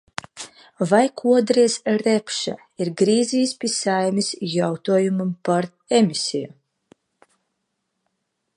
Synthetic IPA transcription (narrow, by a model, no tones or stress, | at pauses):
vajkʰuɔd̪ɾijsɾɛpʃa̰ | iɾɡɾiːzʲiːspʲisajmʲisʲjawt̪uɔjumumpaɾ | emʲisʲiju